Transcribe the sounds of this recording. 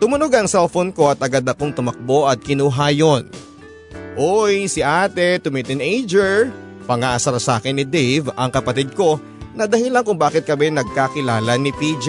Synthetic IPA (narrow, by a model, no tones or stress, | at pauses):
t̪ʊmʊno̞ɡɐŋsɛlfonko̞ɐt̪ɐɡad̪ɐko̞ŋt̪ʊmɐk̚bo̞ʔɐt̪̚kɪnuɦaːjon | ʔojsɪʔaːt̪ɛt̪ʊmit̪ɪnʔejd͡ʒɛɹ | pɐŋaʔɐsɐɾɐsa̰ːkɪnːɪd̪ejvɐŋkɐpɐt̪id̪̚ko̞ | nɐd̪ɐhɪlankʊŋbaːkɪt̪̚kɐbɛnɐɡ̚kakɪlaːlɐnɪp̪iːd͡ʒ